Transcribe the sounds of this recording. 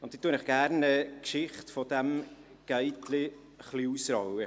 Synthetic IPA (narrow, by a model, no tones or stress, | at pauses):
ʊntd̥̪iːt̪ːuənɪχɡ̥æɾnəkʃɪχtfɔdɛm | ɡ̥ɛɪtlɪ | χliusɾɑwə